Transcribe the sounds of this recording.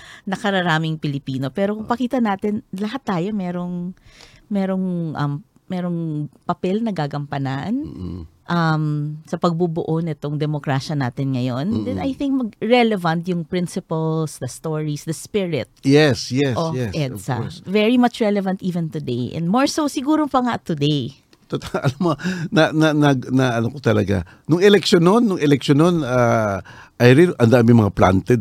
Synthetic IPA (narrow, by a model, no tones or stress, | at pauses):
nɐkɐɾɐɾaːmɪŋpɪlɪpiːnopɛːɾo̞kʊŋpɐkiːt̪ɐnaːt̪ɪnlɐɦat̪ːaːjo̞mɛɾo̞ŋ | mɛːɾo̞ŋʔɐmː | ɛːɾo̞ŋpɐpɛlnɐɡaːɡɐmpɐnanʔɐmsɐpɐɡ̚bubʊʔonɪt̪oŋd̪ɛmokɾaʃɐnaːt̪ɪnŋɐjo̞nd̪ɛnɐjθɪ̃ŋk̚mɐɡ̚ɹɛlɛvɐnt̪jʊŋpɹɪnsɪpɐlsd̪ɐst̪oɹisd̪ɐspɪɹɪt̪̚jɛsjɛsojɛsʔɛd̪sɐ̰vɛɹimat͡ʃɹɛlɛvɐ̃nt̪ʔiːvɛ̃nt̪ʊd̪ejʔɛ̰̃nmoɹsowsɪɡuːɾopɐŋat̪ʊd̪ej | t̪ot̪aɐlɐmonananaɡnaʔɐnokot̪ɐlɐɡa̰ | nʊŋɛlɛkʃononːʊŋɛlɛk̚ʃonona | ʔɐjɾɪnʔɐnd̪aːmɪŋmɐŋapla̰nt̪ɛd̪